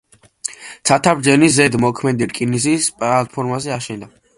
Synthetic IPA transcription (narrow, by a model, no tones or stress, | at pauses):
t̪sʰat̪ʰabɾd͡ʒɛnizɛd̪mɔkʰmɛd̪iɾkʼinisispʼlat̪̚pʰɔɾmazɛaʃɛnd̪a